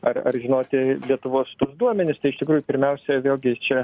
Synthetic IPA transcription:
ɐrɐ̰rʒʲɪnoːt̪ʲɪlʲiɛt̪ʊʋoːst̪uɔsd̪uɔmʲɛnʲɪst̪ɐɪɪʃt̪ʲɪkɾuːjʊpʲɪɾʲmʲɛʊsʲɛʋʲeːlʲˠɡʲɪt͡ʃʲɛ

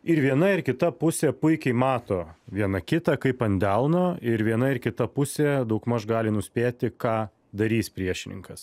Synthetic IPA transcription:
ɪɾʋʲiɛnɐɪɾkʲɪt̪ɐpʊsʲeːpʊɪkʲɛɪmɑːt̪oːʋʲiɛnɐkʲɪt̪ɐkɐɪpɐnʲd̪ʲɛlˠnoːɪɾʋʲiɛnɐɪɾkʲɪt̪ɐpʊsʲeːd̪ɐʊkmɐʃɡɑːlʲɪnʊsʲpʲeːt̪ʲɪkɑː | d̪ɐɾʲiːspʲɾʲiɛʃʲɪnʲɪ̰ŋkɐs

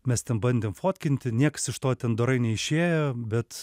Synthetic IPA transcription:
mʲɛst̪ʲɛnbɐnʲd̪ʲeːmfoːt̪ʲkʲɪnʲt̪ʲɪnʲiɛkɐ̥sɪʃt̪oːt̪ʲɛnd̪oɾɐɪnʲɛɪʃʲeːjoːbʲɛt̪

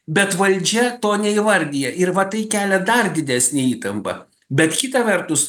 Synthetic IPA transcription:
bʲɛt̪ʋɐlʲd͡ʒʲɛt̪oːnʲɛiʋɐɾʲd̪ʲijɛʔɪɾʋɐt̪ɐɪkʲæːlʲɛd̪ɐrd̪ʲɪd̪ʲæːsʲnʲeɪiːt̪ɐmpɐ̰ | bʲɛt̪kʲit̪ɐʋʲɛɾt̪ʊs

